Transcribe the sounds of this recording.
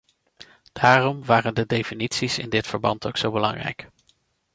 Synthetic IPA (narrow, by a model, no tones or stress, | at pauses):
d̥aːrɔmʋaːrəndədejfinitsisɪ̰ndɪtfəɹbɑntʰowksowbəlɑ̰ŋrɛ̰jk